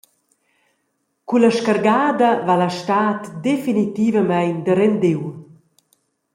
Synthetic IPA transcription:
kulaʃkaɾɡaːd̪avalaʃtaːt̪d̪efinit̪ivəmajnd̪əɾɛnd̪iw

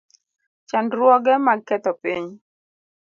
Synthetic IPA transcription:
t͡ʃandɾwɔɡɛmakɛt̪ɔpiɲ

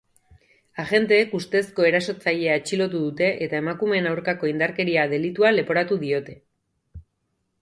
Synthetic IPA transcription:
aʝe̞nt̪e̞ːkust̪esko̞e̞ɾaso̞t͡saʎe̞aet͡ʃilo̞t̪̬uðut̪e̞ʔet̪ae̞makume̞nawɾkako̞ind̪aɾke̞ɾiaðe̞lit̪uale̞po̞ɾat̪uðio̞t̪e̞

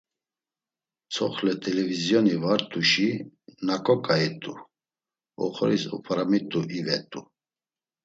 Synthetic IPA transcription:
t͡sʰɔχlɛt̪ʼɛlɛvizjɔnivaɾt̪ʼuʃinakʼɔkʼaɛt̪ʼu | ɔ̰χɔɾisɔ̰pʰaɾamit̪ʼuʔivɛt̪ʼu

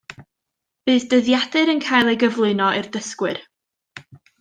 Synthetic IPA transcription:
b̥ɨːðdəðjadɨɾənkʰaːjlˠejɡəvlˠɨnɔʔirdəskwɨr

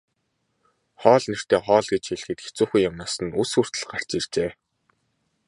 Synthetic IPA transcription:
χɔːɮner̥t̪eːχɔːɮɡet͡ɕxeɮɘ̆xɘ̆t̪xe̥t͡suːxɘ̆jamnaːsə̆nusxur̥t̪ə̆ɮɢar̥t͡ɕirt͡ɕeː

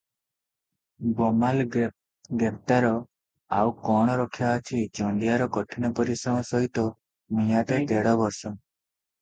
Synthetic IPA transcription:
bɔmal | ɡep̚t̪aɾɔ | awkɔɽ̃ɔɾɔkʰjaət͡ʃʰit͡ʃɔnd̪ijaɾɔkɔʈʰinɔpɔɾisɔmɔsɔɦit̪ɔ | mijat̪ɔt̪eɽɔbɔɾsɔ

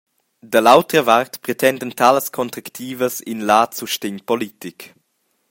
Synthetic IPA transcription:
d̪əlawtəɾəvartpɾetʰɛndəntʰaləskʰɔnt̪ɾəkt̪ʰiːvəsḭnlaːsuʃtɪɲpɔlitik

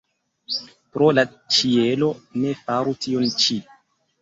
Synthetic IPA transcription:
pɾola | t͡ʃie̞lo̞ne̞faɾutiont͡ʃi

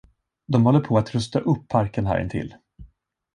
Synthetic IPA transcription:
d̪ɔmhɔlːəpʰoat̪ɾɵst̪aʔɵpʰːaɾkənɦæ̰ːɾɪ̰nt̪ʰɪ̰lː

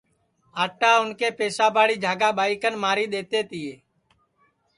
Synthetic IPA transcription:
aːʈaːʊnkeːpeːsaːbʱaːɽiːd͡ʒʱaːɡaːɓaːiːkənmaːɾiːɗ̪eːt̪eːt̪ɪːeː

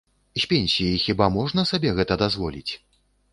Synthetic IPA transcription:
sʲpʲɛnʲsʲijixʲibamɔʐnɐsabʲɛɣɛt̪ɐd̪azvɔlʲḭt͡sʲ

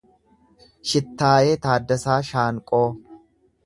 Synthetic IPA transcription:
ʃɪt̪ːaːʔe̞ːt̪aːd̪ːɐsaːʃaːŋkʼo̞ː

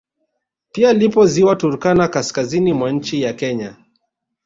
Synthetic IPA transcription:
pialipɔziwatuɾukanakaskazinimwaɲ̩t͡ʃijakɛɲa

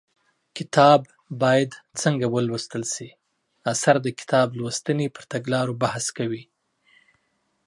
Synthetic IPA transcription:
kɪt̪ʰɑbː | ɑjad̪t͡səŋɡawəlwəst̪əlsi | asaɾd̪əkɪ̥t̪ɑblwəst̪ənepəɾt̪aɡlɑɾobahskawi

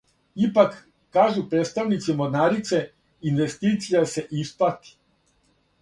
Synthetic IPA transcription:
ipakː | aːʒupɾet̪st̪aʋnit̪simod̪naːɾit̪se̞ | inʋe̞st̪iːt̪sijase̞ʔisplat̪i̥

